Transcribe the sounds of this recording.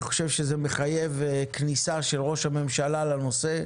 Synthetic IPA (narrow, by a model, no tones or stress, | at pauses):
χo̞̥ʃevʃezemeχaje̞veknisaʃelʁo̞ʃhame̞mʃalalano̞se